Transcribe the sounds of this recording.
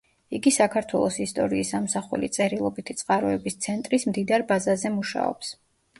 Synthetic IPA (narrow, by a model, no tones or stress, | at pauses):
iɡisakʰaɾt̪ʰwɛlˠɔsist̪ʼɔɾiːsːamsaχṵlḭt̪sʼɛɾilˠɔbit̪ʰit̪sʼqʼaɾɔɛbist̪sʰɛnt̪ʼɾismd̪id̪aɾbazazɛmuʃa̰ɔ̰ps